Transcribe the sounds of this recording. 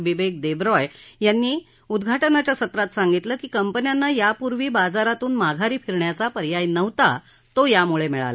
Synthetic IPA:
biʋek̚d̪ebɾɔjjanːiː | ud̪ɡʱaʈənat͡ɕjasət̪ɾat̪sãŋɡit̪ləkiːkəmpənjanːajapuɾʋiːbad͡zaɾat̪uːnmaɡʱaɾiːfʰiɾɳjat͡sapəɾjajnəʋt̪a | t̪ojamuɭemiɭa̰lə

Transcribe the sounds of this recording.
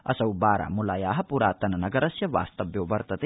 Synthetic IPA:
ɐ̰sɐwbaːɾa̰mulaːjaːɦɐpuɾaːt̪ɐnɐnɐɡɐɾɐsjɐʋa̰ːst̪ɐʋjoːʋɐɾt̪ɐt̪e

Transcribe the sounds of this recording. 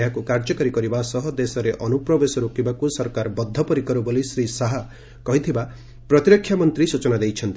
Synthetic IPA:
jakukaɾd͡ʒɔkaɾikɔɾibasɔɦɔd̪esɔɾeʔɔnupɾɔbesɔɾukibakusɔɾkaɾbɔd̪ʱːɔpɔɾikɔɾubolisɾisaɦa | kɔɦit̪ʰiba | pɾɔt̪iɾɔkʰːjamɔnt̪ɾisut͡ʃɔnad̪ejt͡ʃʰʌnt̪i

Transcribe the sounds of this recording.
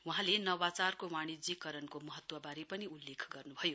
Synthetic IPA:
wuɦãlenʌwat͡sarkomaɽid͡zikːʌɾʌnkomʌɦʌt̪wʌbaɾipʌniulːekʰɡʌrnubʱʌjo

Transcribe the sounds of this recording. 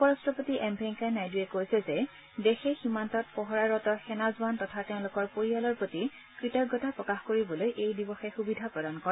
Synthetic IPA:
pɔɹɔstɹɔpotiʔɛmbʱɛŋkajnajduɛkojsɛzɛ | dexɛximantɔt̚pɔɦɔɹaɹɔtɔxɛnazantɔtʰateʊ̃lʊkɔɹpoɹialɔɹpɹoti | kɹitɔɡːɔtapɹɔkaxkoɹibɔlojʔejdibɔxɛxubidʱapɹɔdankɔɹɛ

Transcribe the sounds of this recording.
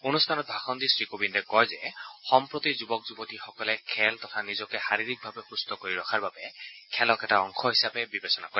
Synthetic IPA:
onust̪ʰanɔt̚bʱaxɔnd̪isɹikobindɛkɔɹzɛxɔmpɹot̪izubɔk̚zubɔtixɔkɔlɛkʰɛlt̪ɔtʰanizɔkɛxaɹiɹik̚bʱabɛxustɔkoɹiɹɔkʰaɹbabɛkʰɛlɔkɛtaɔŋxʰɔɦisapɛbibesɔnakoɹɛ

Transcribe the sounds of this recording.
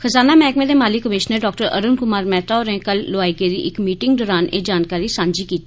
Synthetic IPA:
kʰəzaːnaːmɛːkmẽːd̪eːmaːliːkəmɪʃnəɖɔːk̚ʈəɾə̰ɾʊnkʊmaːɾmɛ̃ːt̪aoːɾɛ̃ːkəlːoaːiːɡeːɾḭːʔɪkmiːʈɪŋɡ̚ɖɔːɾaːnʔeːd͡ʒaːnkaːɾiːsãːnd͡ʒiːkiːt̪i̥ː

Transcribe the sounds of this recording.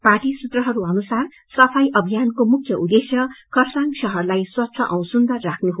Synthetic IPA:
paʈisut̪rʌɦʌɾuʌnusar | sʌpʰʌjʔʌbʱijankomukʰjʌʔud̪esjʌkʌrsaŋɡsʌɦʌrlajswʌtːsʰʌʔʌw̃sund̪ʌrːakʰnuɦo

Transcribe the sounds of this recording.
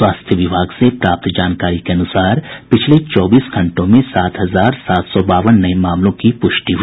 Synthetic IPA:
swaːst̪ʰjəʋɪbʱaːɡsepɾaːp̚t̪d͡ʒaːnkaːɾikeɐnʊsaːɾpɪt͡ʃʰlet͡ʃɔːbiːsɡʱɐ̃ɳʈõmẽsaːt̪ʰɦɐzaːɾsaːt̪ʰsɔbaːʋənːɐemaːmlõkipʊʃʈiɦʊ

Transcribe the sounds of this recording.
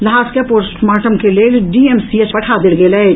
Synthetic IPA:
lɐɦaːskepoɾsmaːʈəmkeleːɖiːemsiet͡ʃpɐʈʰad̪ɪlɡelɐe

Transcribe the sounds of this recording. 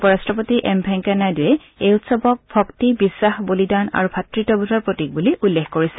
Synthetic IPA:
pɔɹastɹɔpotiʔɛmbʱɛŋkɛnajdujɛ | ejutsɔbɔk̚bʱɔktibisːaxbolidana̰ɹubʱatɹitɔbudɔɹpɹotik̚buliʔulːexkoɹisɛ̥

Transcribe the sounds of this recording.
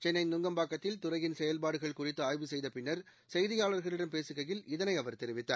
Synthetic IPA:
t͡ʃɛnːɐɪnʊŋɡɐmbaːkːɐt̪ːɪlt̪ʊrɐjɪnsɛjɐlpaːɽɯɣɐɭkʊrɪt̪ːɯaːjʋɯsɛjðɐpɪnːɐɾ | sɛjðɪjaːɭɐɾɣɐɭɪɽɐmpeːsɯɣɐjɪlɪðɐnɐɪɐʋɐɾt̪ɛɾɪʋɪt̪ːa̰ːɾ

